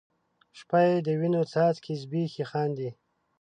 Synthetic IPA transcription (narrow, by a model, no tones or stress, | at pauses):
ʃpajed̪əwinot͡sɑːt̪kʰizbixixɑːnd̪i